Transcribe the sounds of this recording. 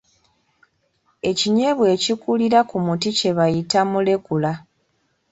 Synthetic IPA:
e̞ciɲe̞βwe̞ːcikuliɾakumutice̞βajitamule̞kula

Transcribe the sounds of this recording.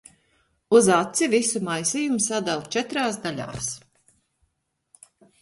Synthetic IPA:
uzat̪sivisumajsijumsad̪alt͡ʃɛt̪ɾaːsd̪aʎʲa̰ːs

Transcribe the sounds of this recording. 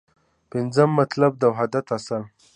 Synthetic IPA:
pɪnzəmːat̪lab̚d̪awɦad̪at̪asal

